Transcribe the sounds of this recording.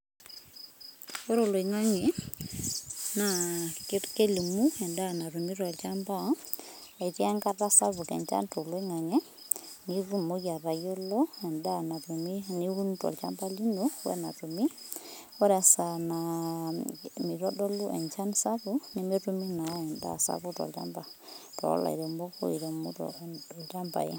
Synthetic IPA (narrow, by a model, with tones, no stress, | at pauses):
o˦ɾo˨lwi˨ŋa˦ŋɛ˨ | na˨kke˦li˨mu˦ɛ˨nda˦˨na˨ɾu˨mi˦ɾɔ˨lt͡ʃa˦mpa˦ | a˨i˨tja˦ŋka˦ta˦sa˦βu˨kɛ̰˨ɲt͡ʃa̰˦nto˨lwe˦ŋa˨ŋɛ˦ | ni˨ɾu˦mo˦ɡa˨ɾa˨jo˦lo˦ɛ˨nda˦na˨miniu˦ntɔ̰˨lt͡ʃa̰˦mba˦li˦nowɛ̰˦na̰˨tu˨mi˦ | ɔ˦ɾa˨sa˨na | mi˨ɾɔ˦dɔ˦lu˦ʔɛ̰˨ɲt͡ʃa˦nsa˦buni˦me˦tu˦mi˦na˨˦ɛ˨nda̰˦˨sa̰˦bu˦tɔ̰˨lt͡ʃa̰mba˨tɔ̰˦la̰˨ḭ˨ɾo˨mbɔ˦ko̰˦i˨ɾo˨mṵ˦tɔ̰˨ta˦mpa̰˨ḛ˦